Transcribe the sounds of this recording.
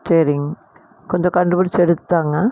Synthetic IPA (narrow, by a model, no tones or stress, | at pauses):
seːɾɪŋɡ | kɔɲd͡ʒɔ̃kɐɳɖɯpʊɽɪt͡ʃːɛɽɯt̪ːaːŋɡɐ